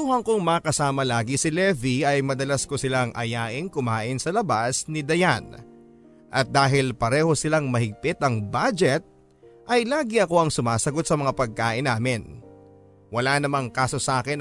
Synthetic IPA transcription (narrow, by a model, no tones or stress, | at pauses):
uhɐŋkoŋmɐɐkɐsaːmɐlaːɡisɪlɛviɐjmɐd̪ɐlɐskosɪlaŋʔɐ̰jaːʔɪŋkʊmaːʔɪnsɐlɐbasnɪd̪ɐjan | ʔɐ̰t̪̚d̪aːɦɪlpɐɾɛːho̞sɪlaŋmɐhɪɡ̚pɪt̪ɐŋbad͡ʒɛt̪̚ | ʔɐjlaːɡɪɐko̞ɐŋsʊmaːsɐɡo̞t̪̚sɐmɐŋapɐɡ̚kaːʔɪnaːmɪn | wɐlanɐmaŋkaːso̞saːkɪn